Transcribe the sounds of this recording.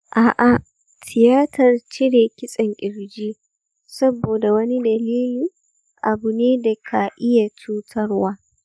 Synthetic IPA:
ʔaː˨ʔa˨ | tʰɪ˨jaː˦tʰɐ˨rt͡ʃɪ˦ɽeː˨kʲɪ˦sʼɐ˨ŋkʲʼɪ˨ɾd͡ʒiː˦ | sɐ˦boː˨da˨wɐ˦ni˦dɐ˨liː˦liː˨ | ʔa˨bʊ˨neː˦da˨kʰa˨ʔɪ˦ja˨t͡ʃuː˦tʰɐ˦rwaː˦

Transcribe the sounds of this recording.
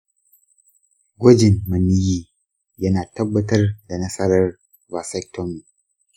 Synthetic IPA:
ɡʷɔ˦d͡ʒɪ˨mmɐ˨ni˦jiː˦ | jɐ˦naː˨tɐ˦bːɐ˨tɐ˦rda˨nɐ˦sɐ˦ɾɐ˦r | va˨sɛ˦k̚tɔ˦mːi˨

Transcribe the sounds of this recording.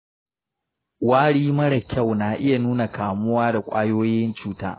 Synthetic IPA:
waː˦ɽiː˦mɐ˦ɽɐ˨kʲʰa˦˨wnaː˨ʔɪ˦ja˨nuː˦na˨kaː˨mʊ˦waː˦da˨kʷʼaː˦joː˦jɪ˦nt͡ʃuː˦ta̰ː˦

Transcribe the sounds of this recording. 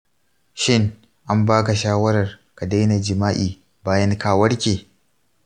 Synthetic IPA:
ʃɪ˦ŋ | ʔa˦mbaː˦ka˨ʃaː˦wɐ˦ɾɐ˨rka˨da˦jna˨d͡ʒɪ˨maː˦ʔiː˨ | baː˦jɐ˦ŋkaː˦wɐ˦ɽkʲeː˨

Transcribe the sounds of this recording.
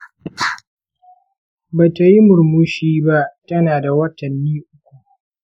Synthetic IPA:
baː˨ta˨ji˦mʊ˨ɾmʊ˦ʃiː˦ba˦ʔtɐ˦naː˨da˨wɐ˦tɐ˨nːiː˦ʔʊ˦kʷu˨

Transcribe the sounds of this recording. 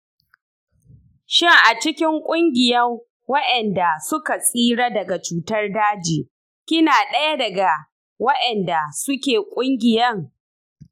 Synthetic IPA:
ʃɪ˦ŋʔa˨t͡ʃɪ˦kʲɪ˦ŋkʷʼʊ˦ŋɡʲɪ˨jɐ˦ | wɐ˦ʔɛ˨nda˨sʊ˦ka˨sʼiː˦ɽaː˦dɐ˨ɡa˨t͡ʃuː˦tɐ˦rdaː˦d͡ʒiː˨ | kʲɪ˦naː˨ɗɐ˦ja˦dɐ˨ɡa˨ | wɐ˦ʔɛ˨nda˨sʊ˦kʲeː˨kʷʼʊ˦ŋɡʲɪ˨jɐ˦ŋ

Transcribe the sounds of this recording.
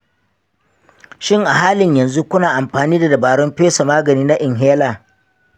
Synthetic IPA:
ʃɪ˦˨ŋʔa˨ɦaː˦lɪ˨ɲjɐ˨nzu˦kʷʊ˦naː˨ʔa˨mɸaː˨niː˦da˨dɐ˨baː˨ɽɔ˦mɸeː˦sa˨maː˦ɡɐ˨niː˦na˦ʔɪ˨ŋɦeː˦laː˨

